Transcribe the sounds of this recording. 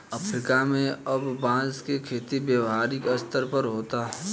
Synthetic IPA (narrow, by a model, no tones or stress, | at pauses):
ɐfʰɾɪkamẽɐbːãːskekʰeːt̪ibjəʋɦaːɾɪkɐst̪əɾpəɾɦoːt̪aːɛ